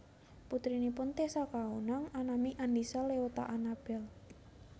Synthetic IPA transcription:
put̪ɾinipʊnt̪esɔkaunaŋanamiʔandisɔleot̪a̰ʔanab̥ɛl

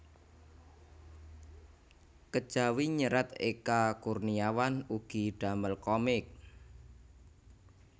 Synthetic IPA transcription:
kəd̥ʒ̥a̤wiɲəɾat̪ḛkakurniawanuɡ̥iɖ̥a̤məlkɔmɪk̚

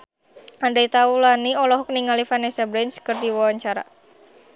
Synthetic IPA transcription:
andeit̪aulaniɔlɔɦɔkniŋalifanɛsabɾɛnt͡ʃkərd̪iwɔwaɲt͡ʃaɾa̰

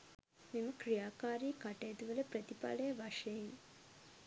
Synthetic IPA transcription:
memɐkɾijaːkaːɾiːkɐʈeːd̪uʋɐlɐpɾɐt̪ipa̰ːlɐjɐʋɐʂɐjɐm

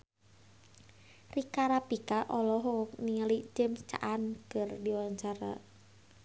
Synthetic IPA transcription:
rikaɾapikaʔɔlɔɦɔk̚nilid͡ʒemst͡ʃa̰ʔankɨrdiwaɲt͡ʃaɾa̰

